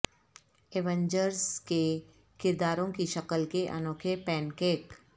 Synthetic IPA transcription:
eːʋə̃ɲd͡ʒəɾske | kɪɾd̪aːɾõkiʃɐkəlkeʔɐ̰noːkʰepɛːnkeːk

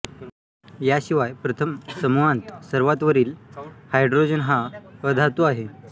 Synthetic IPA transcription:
jaɕiʋajpɾət̪ʰəmsəmuʋant̪səɾʋat̪ʋəɾiːlhajɖɾod͡ʑənɦaəd̪ʱat̪oaɦe

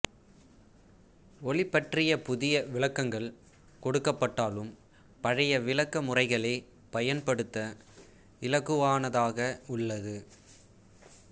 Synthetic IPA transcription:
ɔɭɪpːɐʈrɪjɐpʊðɪjɐʋɪlɐkːɐŋɡɐɭ | kɔɽɯkːɐpːɐʈːaːlɯm | pɐɻɐjɐʋɪlɐkːɐmʊrɐɪɣɐɭeː | pɐjɐnpɐɽɯt̪ːɐ | ɪlɐɣɯʋaːnɐðaːɣɐʊɭːɐðɯ

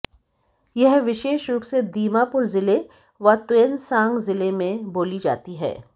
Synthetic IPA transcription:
jɛɦʋɪʃeːʃɾuːpsed̪iːmapʊɾzɪle | ʋat̪ʊənsãːŋɡzɪlemẽboːlid͡ʒa̰ːt̪iɦɛ̰ː

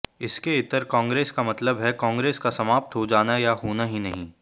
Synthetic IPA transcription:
ɪskeɪt̪əɾkãːŋɡɾeːskamɐt̪ləbɦɛkãːŋɡɾeːskasɐmaːp̚t̪ɦod͡ʒaːnajaɦoːnaɦinɐɦĩː

